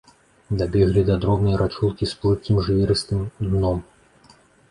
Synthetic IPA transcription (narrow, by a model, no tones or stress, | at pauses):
d̪abʲɛɣlʲid̪ɐd̪ɾɔbnɐjɾʔat͡ʂulˠkʲisplˠɨt̪̚kʲimʐɨvʲiɾɨst̪ɨmd̪nɔm